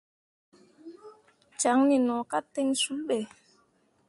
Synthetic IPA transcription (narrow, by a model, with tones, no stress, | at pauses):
t͡ʃa˨˦ŋni˨nɔ˨ka˦tːɛ˦ŋsu˨˦lɓɛ˨